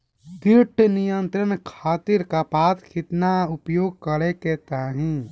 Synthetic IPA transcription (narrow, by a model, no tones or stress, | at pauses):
d̪iɾʈʰnijənt̪ɾənkʰaːt̪iɾkapaːt̪kʰit̪naʊpjoːɡ̚kəɾeket̪aːɦĩ